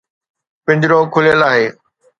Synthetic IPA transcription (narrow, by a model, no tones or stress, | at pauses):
pɪ̃ɲd͡ʑɾoːkʰʊlijəlaːɦeː